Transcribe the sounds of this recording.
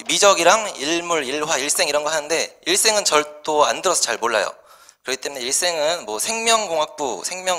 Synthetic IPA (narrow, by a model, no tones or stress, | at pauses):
mid͡ʑʌɡiɾaŋiɭmuɾiɭwaiɭs͈e̞ŋiɾʌnɡʌɦanɯnde̞iɭs͈e̞ŋɯnt͡ɕʌɭt͈oa̰ndɯɾʌsʰʌt͡ɕaɭmoɭːa̰jo̰ | kɯɾʌkʰit͈e̞mune̞iɭs͈e̞ŋɯnmwʌsʰe̞ŋmjʌŋɡoŋɦak̚p͈usʰe̞ŋmjʌ